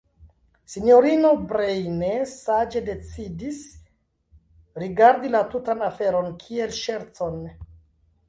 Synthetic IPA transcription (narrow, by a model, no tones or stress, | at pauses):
sinjo̞ɾino̞bɾejnesad͡ʒe̞de̞t͡sidis | ɾiɡaɾdilatutanafe̞ɾo̞nkʰie̞lʃe̞ɾt͡so̞n